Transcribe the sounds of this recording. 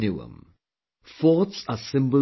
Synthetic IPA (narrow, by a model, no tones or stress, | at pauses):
nuə̰̃m | fɔːtsəsɪ̃mbəl